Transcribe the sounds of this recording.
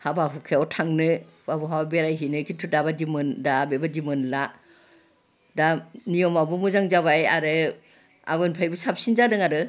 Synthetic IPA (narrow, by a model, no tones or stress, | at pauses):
habaɦukʰeawtʰaŋnɯ | babuɦawabeɾajɦinɯkʰitʰudabadimɯndabebadimɯnla | danijɔmabumuzaŋzaβajaɾɯ | a̰ɡɔjnpʰajbɯsap̚sinzadɯŋaɾɯ